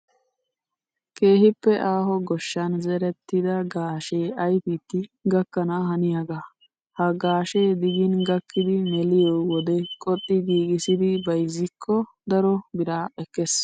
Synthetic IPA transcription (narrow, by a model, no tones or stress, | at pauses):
kʰe̞ːɦɪpːɛʔaːɦɔɡɔʃːɐnzɛɾɛt̪ːɪd̪ɐɡaːʃeːɐjfiːt̪ːɪɡɐkːɐnaɦɐnɪjaɡa | hɐɡaːʃe̞ːd̪ɪɡɪnɡɐkʰːɪd̪ɪmɛlɪjɔwɔd̪ɛkʼɔt̪ʼːɪɡiːɡɪsɪd̪ɪbɐjzːɪkʰːɔ | d̪ɐɾɔbɪɾaːɛkːes